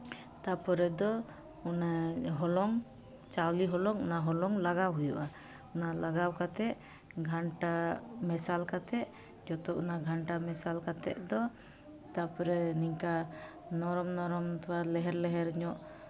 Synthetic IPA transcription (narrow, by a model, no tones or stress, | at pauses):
t̪apɔɾɛd̪ɔ | unaɦɔlɔŋ | t͡ʃawliɦɔlɔŋunaɦɔlɔŋlaɡawɦujuʔa | unalaɡawkat̪ɛʔ | ɡʱaɳʈamɛsalkat̪ɛʔ | d͡ʒɔt̪ɔʔunaɡʱaɳʈamɛsalkat̪ɛ̰ʔd̪ɔ | t̪apɔɾɛniŋka | nɔɾɔmnɔɾɔmt̪ɔwalɛɦɛɾlɛɦɛɾɲɔʔ